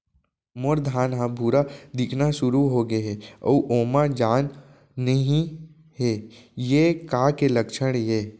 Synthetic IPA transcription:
moɾd̪ʱaːnɦãbʱuːɾad̪ɪkʰnaʃʊɾuɦoɡeɦɛɐ̰uʔoːmad͡ʒaːnː | ɐɦĩ | ɦejekaːkelɐkʃəɽ̃jeː

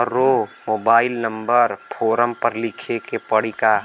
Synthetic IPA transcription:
ɾomoːbaːɪlnɐmbəɾpʰoːɾəmpəɾlɪkʰekepəɽ̤ika

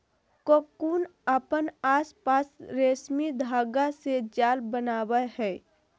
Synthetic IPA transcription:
kokuːnəpənaːspaːsɾeːsmid̪ʱaːɡased͡ʒaːlbənaːwəhɛː

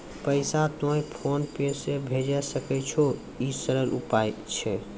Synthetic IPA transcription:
pəɪsat̪õjpʰonpesebʱed͡ʒɛsəkɛt͡ʃʰo | isəɾəlʔṵpajt͡ʃʰɛ

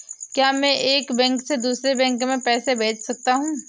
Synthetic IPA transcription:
kjaːmɛ̃ʔeːkbɛ̃ːŋksed̪uːsɾebɛ̃ːŋkmẽpɛːsebeːt͡ʃʰsɐk̚t̪aɦũː

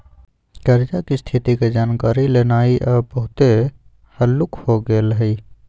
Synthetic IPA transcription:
kəɾd͡ʒakist̪ʰit̪iked͡ʒaːnkaːɾilenaːiʔɔbəɦʊt̪e | həlːʊkhoɡelɦi

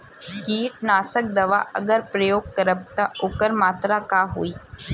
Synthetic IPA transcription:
kiːʈnaːsək̚d̪ɐʋa̰ʔə̰ɡəɾpɾəjoːɡ̚kəɾəb̚t̪aʔokəɾmaːt̪ɾakaɦo̰iː

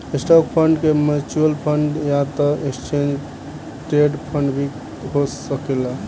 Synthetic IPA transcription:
esʈɔk̚pʰəɳɖkemet͡ʃuəlpʰəɳɖjat̪ɔekst͡ʃend͡ʒ | ʈeɖpʰəɳɖbʱi | ɦosəkela

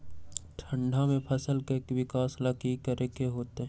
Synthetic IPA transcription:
ʈʰə̃ɳɖʱamẽpʰəsəlkeeːkʋɪkaːsləkikəɾekeɦoːt̪eɦ

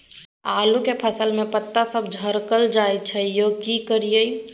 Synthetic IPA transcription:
aːlukepʰəsəlmepət̪ːasəbʱd͡ʒʱəɾkəld͡ʒajt͡ʃʰɛjokikəɾijəj

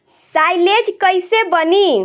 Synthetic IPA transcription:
sajled͡ʒkəjsebəni

